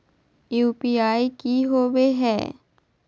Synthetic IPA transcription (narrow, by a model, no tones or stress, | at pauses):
juːpiaːikiɦoːweɦɛ̰ː